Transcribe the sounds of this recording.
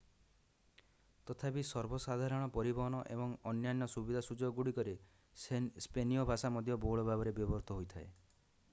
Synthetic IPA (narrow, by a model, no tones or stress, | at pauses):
t̪ɔt̪ʰapisɔɾbɔsad̪ʱaɾɔɽ̃ɔpɔɾibɔɦɔñɔʔḛbɔŋɔnjanjɔsubid̪ʱasud͡ʒɔɡɡuɽikɔɾe | spenijɔbʱasamɔd̪ʱjɔboɦɭɔbʱabɔɾebjɔbɔɾt̪ɔɦojt̪ʰae